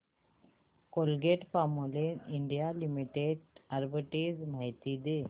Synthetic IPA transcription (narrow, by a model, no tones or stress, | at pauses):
kolɡeʈfamuleiɳɖijalimiʈeɖaɾbəʈed͡zmaɦjt̪iːd̪e